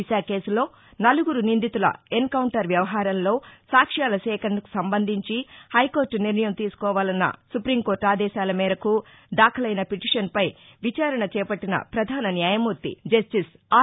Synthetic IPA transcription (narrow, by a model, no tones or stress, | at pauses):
iʃaːke̞ːsulo̞ː | nɐluɡuɾunind̪it̪ulɐ̰enkɐwɳʈɐɾʋjɐʋɐɦaːɾɐmlo̞ːsaːkʂjaːlɐsɛːkʰɐɐnɐku̥sɐmbɐnd̪ʱiɲt͡ʃihɐjkoːɾʈniɾnɐjɐmt̪iːsu̥kɔːʋaːlɐnːɐ̰supɾimko̞ːɾʈaːd̪ɛːʃaːlɐmɛːɾɐku | d̪aːkʰɐlɐjnɐpiʈiʂɐnpɐj | ʋit͡ʃaːɾɐɳɐt͡ʃɛːpɐʈːinɐ̰pɾɐd̪ʱaːnɐnjaːjɐmuɾt̪ḭd͡ʒɐsʈis | aː